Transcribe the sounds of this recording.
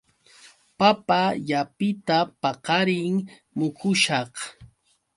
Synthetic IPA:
papajapɪt̪apɑqɑɾɪŋ | mʊkʊʃɑχ

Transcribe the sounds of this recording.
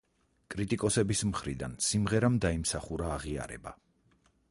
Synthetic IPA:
kʼɾit̪ʼikʼɔsɛbismχɾid̪a̰nsimʁɛɾamd̪aimsaχuɾaːʁia̰ɾɛ̰ba

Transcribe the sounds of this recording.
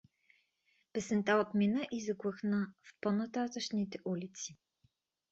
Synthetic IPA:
pɛsɛnt̪aot̪minəʔizɐɡlɤxnəfponɐt̪at̪əʃnit̪ɛʔulit̪si̥

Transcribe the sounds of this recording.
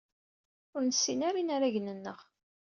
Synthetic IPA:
ʊɾnəsːinaɾinaɾaʝnənːəʁ

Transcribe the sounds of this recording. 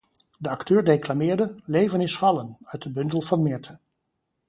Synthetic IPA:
dəɑktøːɹdejklamɪːɹdəlejvənɪsfɑlənœɥt̚dəbɵndəlˠvɑnmɪɹtʰə

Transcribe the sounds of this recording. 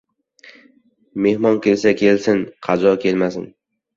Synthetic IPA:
me̞hmɒnkʲʰe̞lsakʲʰe̞lsɪnqʰɑd͡ʒ̪ɒkʲʰe̞lmasɪn

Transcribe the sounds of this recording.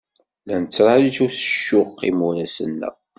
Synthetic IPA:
lænət͡sːɾˤɑliʃuɾθə̥ʃːʊqːimuɾæsə̰nːæ̰

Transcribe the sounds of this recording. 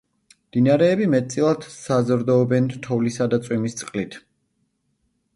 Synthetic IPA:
md̪̥inaɾɛːbimɛt̪̚t̪sʼilˠad̪̥sazɾd̪ɔːbɛnt̪ʰɔvlisad̪at̪sʼwimist̪sʼqʼlit̪ʰ

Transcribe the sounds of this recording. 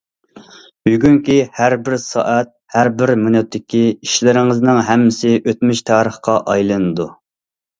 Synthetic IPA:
byɡʲyŋkʲihæɾbɪɾsɑ̰ʔɛt̪̚hæɾbɪɾmynɛt̪ʰːɪkʲiiʃlɪɾɪŋɪznɪŋɦɛmːɪsɪʔøt̪myʃt̪ʰɑːɾəχqɑʔɑjlˠɨnɨd̪u

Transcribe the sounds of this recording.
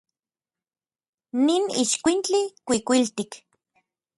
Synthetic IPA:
ninḭʃkʷint͡ɬikʷikʷilt̪ik

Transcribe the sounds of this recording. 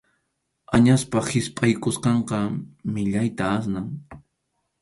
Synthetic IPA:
aɲaspahɪspʼajkʊsqɑɴqɑmɪʎajt̪aas̬naŋ

